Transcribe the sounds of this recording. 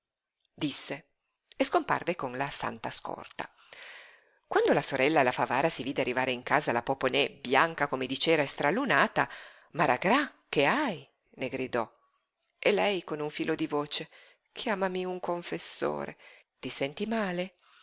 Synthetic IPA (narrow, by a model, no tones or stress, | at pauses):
d̪isːe | eskompa̰rvekonlasa̰nt̪askɔ̰rt̪a̰ | kwand̪olasoɾɛlːalafavaːɾasiviːd̪earːivaːɾeiŋkaːzalapoponɛbjaŋkakomed̪it͡ʃɛːɾaest̪ɾalːunaːt̪a | maɾaɡɾak̟eaj | neɡɾid̪ɔ | elɛjkonuɱfiːlʔod̪ivoːt͡ʃe | kʰjaːmamiuŋkoɱfesːo̰ːɾḛ | t̪isɛnt̪imaːle